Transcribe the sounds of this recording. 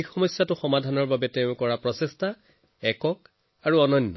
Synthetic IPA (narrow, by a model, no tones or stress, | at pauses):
ixɔmɔsjatʊxɔmadʱanɔɹbabɛtɛʊ̃kɔɹapɹɔsestʰa | ɛkɔk̚ | aɹuɔnɔnːɔ